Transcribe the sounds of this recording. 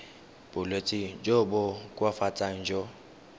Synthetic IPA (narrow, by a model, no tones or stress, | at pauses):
b̥ʊlwet͡sʼɪd͡ʒobʊkʼwafat͡sʼaŋ̩d͡ʒɔ